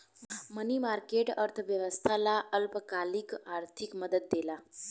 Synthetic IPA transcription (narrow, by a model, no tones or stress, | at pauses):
mənimaɾkeʈəɾt̪ʰəʋjəʋəst̪ʰalaʔəlpəkalikaɾt̪ʰikməd̪ət̪̚d̪ela